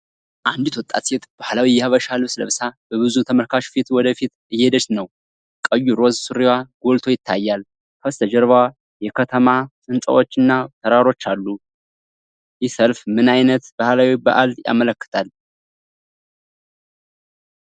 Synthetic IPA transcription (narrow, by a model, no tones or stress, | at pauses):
ʔand̪ɪt̪wɔt̪ʼːa̰t̪set̪b̥ahlawijɛhəβəʃalsɨləβsab̥əβɨzut̪ʰəməlkʰaʃfit̪wɔd̪əfit̪ | ɨjːed̪ət͡ʃt̪nəw | kʼəjːuɾozsuɾiwaɡo̞lt̪ʰo̞jɪt̪ʰːajːal | fʰəst̪ʰəd͡ʒɛɾβwa | jɛkʰət̪ʰəmasʼɨnsʼə̰wo̞t͡ʃːɨnːat̪ʰəɾaɾo̞t͡ʃːalːu | jɪsəlfmɨnajnət̪b̥ahlawibə̰ʔald̪ja̰mələkːɨ̥t̪ʰal